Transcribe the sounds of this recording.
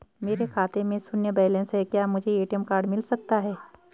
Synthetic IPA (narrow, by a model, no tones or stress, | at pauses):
meːɾekʰaːt̪emẽsʊnjəbɛːlẽnsɦɛkjaːmʊd͡ʒʱeeːʈijəmkaːɾɖmɪlsɐk̚t̪aɦɛː